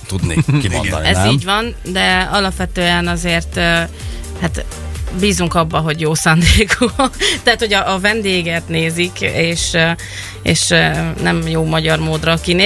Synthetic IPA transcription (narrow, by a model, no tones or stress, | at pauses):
t̪ud̪ḛkio̰d̪̰niɛzːɟʋɒn | d̪ɛɒlɒpʋɛt̪øːɛnɒzeːrt̪ | hat̪ | biːzuŋkɒbːɒɦo̞ɟjoːsaːnd̪eːkut̪ɛat̪ho̞ɟɒʔːvɛnd̪eːɡɛt̪neːzikeːʃ | ḛːʃnɛmjoːmɒɟɒrmoːd̪rɒkineː